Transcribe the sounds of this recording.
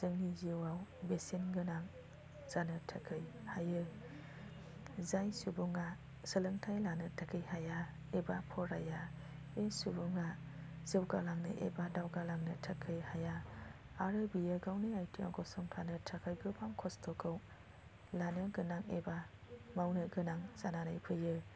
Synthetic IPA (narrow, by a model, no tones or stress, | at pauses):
z̥ɯŋniziwawbesinɡɯnaŋ | z̥anɯtʰɐkʰɯj | hajɯ | zajsubɔŋa | sɯlɯŋtʰajlanɯtʰɐkʰɯjhaja | ebapʰɔɾaja | esubɔŋa | z̥ewɡalaŋnɯ̰ʔḛbadawɡalaŋnɯtʰakʰːɯjhajaː | ɾɯbijɯɡawnɯajtʰia̰ɡɔsɔmtʰanɯtʰakʰajɡɯpʰaŋkʰɔstʰɔkʰɯw | lanɯɡɯnaŋḛbamawnɯɡɯnaŋz̥ananajpʰɯjɯ